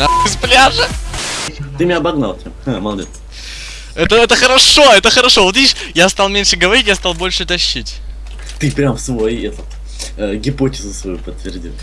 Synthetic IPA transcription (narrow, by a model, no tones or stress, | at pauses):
naɪsplʲaʐɨ | t̪ɨmʲɪnʲaːbɐɡnalˠpɾʲamamɐlˠdʲet̪s | ɛt̪əɛt̪əxəɾɐʂo̞ɛt̪əxəɾɐʂovot̪vʲidʲiʂjast̪ɑlˠmʲenʲʂɨɡəvɐɾʲitʲjast̪ɑlˠbo̞lʲʂɨt̪ɐɕːitʲ | t̪ɨpɾʲamfsvojɛt̪ə | əɡʲɪpo̞tʲɪzʊsvɐjupət̪ːvʲɪrdʲḭlˠ